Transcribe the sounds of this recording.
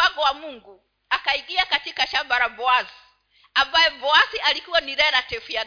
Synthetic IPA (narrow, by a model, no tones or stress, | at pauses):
aɡɔwamuŋɡu | akaiɡiakatikaʃabaɾabɔazi | ambajɛbɔazialikuwaniɾɛɾatɛfuja